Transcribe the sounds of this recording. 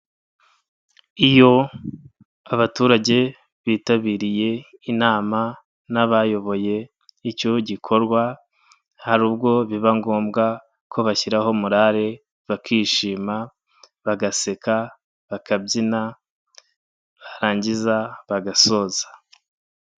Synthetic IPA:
ijo̞ | aβatuːɾaɟe̞ | βiːtaβiːɾije̞inaːma | naβajo̞βo̞je̞ | ico̞ɟikʰo̞ɾɡwa | haɾuːbɡo̞βiβaŋɡo̞ːmɡa | kʰo̞βaçiɾaho̞muɾaɾe̞ | βakʰiːʃiːma | βaɡase̞ka | βakabɟina | βaɾaːɲɟizaβaɡaso̞ːzḁ

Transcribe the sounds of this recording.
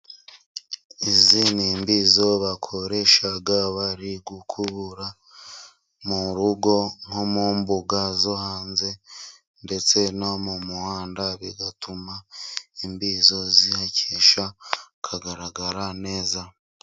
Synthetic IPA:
iziniːmbiːzo̞βakʰo̞ɾe̞ʃaɡaβaɾiɡukʰuβuɾa | muɾuɡo̞ŋ̥omuːmbuɡazohaːnze̞ | nde̞t͡se̞nomumuhaːndaβiɡatʰumaimbiːzo̞zihacʰeʃa | kʰaɡaɾaɡaɾane̞ːza

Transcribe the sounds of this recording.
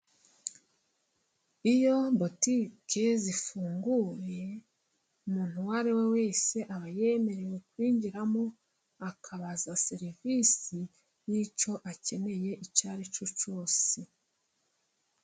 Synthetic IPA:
ijo̞bo̞tike̞zifuːŋɡuɾe̞ | umuːn̥huwaɾewewe̞ːse̞ʔaβaje̞me̞ɾe̞we̞kwiːɲɟiɾamo | akʰaβazaseɾivisi | jit͡ʃo̞ʔace̞ne̞je̞ʔicaːɾet͡ʃut͡ʃo̞ːse

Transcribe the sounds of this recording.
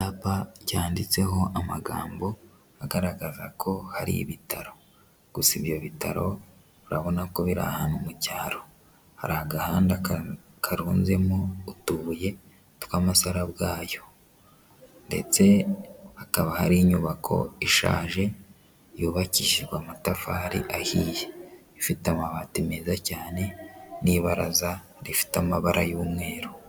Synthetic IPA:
apacaːndit͡se̞ɦo̞ʔamaɡa̰ːmbo̞ | aɡaɾaɡazakʰo̞haɾḭβitʰaɾo̞ | ɡ̥usiβjo̞βitaɾo̞ | βuɾaβo̞nako̞βiɾa̰haːnumucaːɾo̞̥ | ha̰ɾaɡahaːnda | kʰaɾuːnze̞moutuje̞ | twaːmasaɾabɡaːjo̞ | nde̞̰t͡se̞akaβahaɾiɲuβakʰo̞̰iʃa̰ːʒe̞ | juːβaciʃiɡwamatafaɾḭʔahiːje | ifitamaβaːtime̞ːzacaːne̞niβaɾaza | ɾifi̥tamaβaɾʔajuːmŋe̞ːɾo

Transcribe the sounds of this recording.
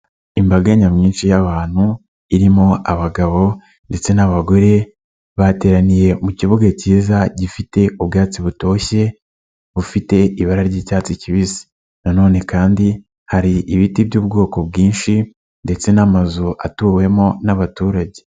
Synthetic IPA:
imbaɡaɲamɲiːnʃijaβaːn̥hu | iɾimo̞ʔaβaɡaβo̞ | nde̞t͡se̞naβaɡo̞ɾe̞ | βate̞ːɾanije̞muciβuɡaciːzaɟifite̞uβɡaːt͡siβuto̞ːçe̞ | βufite̞iβaɾaɾɟiːcaːt͡siciβizi̥ | nano̞ːne̞kaːndi | haɾiʔiβitiβjuːb̚ɡo̞ːko̞bɡiːnʃi | nde̞t͡se̞namazuʔa̰tuːwe̞mo̞naβatuːɾaɟe̞

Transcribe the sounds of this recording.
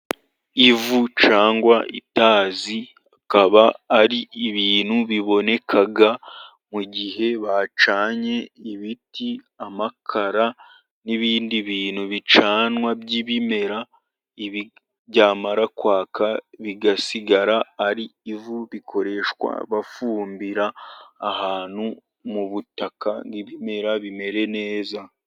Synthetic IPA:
ivut͡ʃaːŋɡwaʔḭtaːzi | akaβaːɾiːβiːn̥huβiβo̞ne̞kʰaɡa | muɟiɦe̞βat͡ʃaːɲe̞iβiti | amakʰaɾa | niβiːndiβiːnhuβit͡ʃaːnwabjiβime̞ɾa | ii | ɟaːmaɾakwaːkʰaβiɡasiɡaɾaːɾiːvuβikʰo̞ɾe̞ːʃkwa̰βafuːmbiɾaːhaːn̥hu | muβutakaŋɡiβime̞ɾaβime̞ɾe̞ne̞ːza

